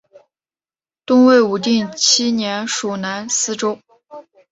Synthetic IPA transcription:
t̪ʊ˥ŋwe˥˩ɪu˧˥t̪̬i˥˩nt͡ɕʰi˥njɛ˧˥nʂu˨˩na˧˥nsɹ̩˥ʈ͡ʂo˥ʊ

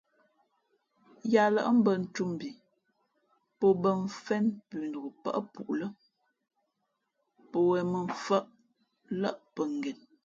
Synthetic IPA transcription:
ja˨lə̰˦ʔm̩˦bə˨n̩˨tu˦m˨bi˨ | po˨bə˦˨ɱ˨fɛ˦npʉː˨ndə˨ɡə˨pə̰˦ʔpṵ˨ʔlə˦ | po˨wɛ˨mə˨ɱ˨fə˦ʔ | lə˦ʔpə˨ŋ˨ɡɛ˨n

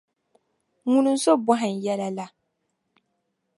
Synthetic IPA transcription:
ŋu˦nu˦n̩˦so˦bʊ˦ɦa˨n˨jɛ˦la˦la˦

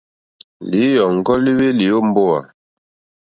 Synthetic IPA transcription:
li˨˦jɔ˨ŋ̩˨ɡɔ˦li˦we˦li˨o˦m̩˦bo˦a̰˨

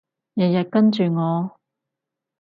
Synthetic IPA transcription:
jɐ˨jɐ˨t̚kɐ˥nt͡ʃyː˨ŋɔː˨˧

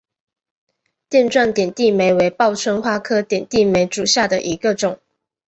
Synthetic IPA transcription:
t̪jɛ˥˧nʈ͡ʂwa˥˩nt̪jɛ˨˩nt̪i˥˨me˧˥ɪwe˧˥ɪpɑ˥˩ʊt͡sʰwə˥nxwa˥˩kʰɤ˥t̪jɛ˨˩nt̪i˥˩me˧˥ɪʈ͡ʂu˨˩ɕja˥˩d̪ə˨ʔi˧˥ɡə˧ʈ͡ʂʊ˨˩˦ŋ

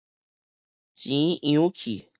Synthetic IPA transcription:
t͡ɕĩ˨˦ʔĩ˧ũ˦kʰi˨

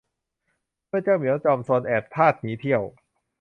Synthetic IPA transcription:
mɯ˥˩ət͡ɕaː˥˩wmi˨˦əwt͡ɕɔː˧msoː˧nʔɛː˨˩p̚t̪ʰaː˥˩t̪̚niː˨˦˥t̪ʰi˥˩əw

